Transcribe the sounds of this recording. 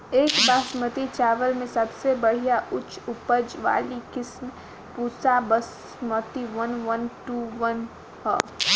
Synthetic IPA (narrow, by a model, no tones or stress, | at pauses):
eːkbaːsmət̪it͡ʃaːʋəlmẽsɐbsebəɽ̤ijaʔʊt͡ʃʰʊpəd͡ʒʋa̰ːlikɪsm | puːsabəs | mət̪iʋənʋənʈuʋən | hɔ̰ː